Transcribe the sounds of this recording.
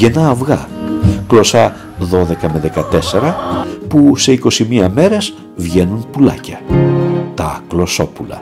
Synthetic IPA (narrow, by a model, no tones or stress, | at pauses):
ʝe̞nɐːvɣɐklo̞sɐ | ðo̞ðe̞kɐme̞ðe̞kɐt̪e̞se̞ɾɐpuse̞iko̞simiɐme̞ɾe̞z | vʝe̞nunpulɐ̰cɐ | t̪ɐklo̞so̞pulɐ̰